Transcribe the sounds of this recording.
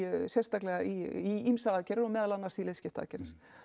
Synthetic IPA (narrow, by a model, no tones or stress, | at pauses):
sjɛrst̪aklɛɣaiiimsaaːcɛɾɪɾɔɣmɛːðalanːaɾsilescɪft̪aa̰cɛɾɪɾ̥